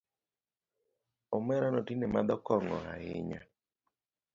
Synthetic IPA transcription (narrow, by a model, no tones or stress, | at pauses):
ɔmɛɾanɔtinɛmad̪ɔkɔŋɔ̰a̰ɪ̰ɲa̰